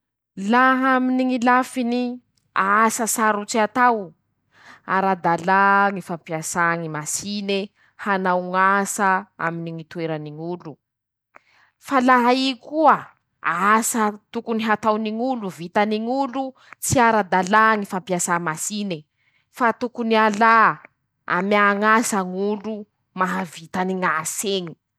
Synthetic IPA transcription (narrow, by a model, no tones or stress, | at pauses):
laɦaminiŋilafini | aasəsaɾut͡siat̪aw | aɾad̪alaŋifampiasaŋimasine | hanawŋasaa̰miniŋit̪ueɾaniŋulu | falaɦaikuə | asat̪ukuniɦat̪awniŋuluvit̪aniŋulu | t͡siaɾad̪alaŋifampiasamasine | fat̪ukuniala | a̰miaŋasaŋulu | maɦavit̪aniŋaseŋi̥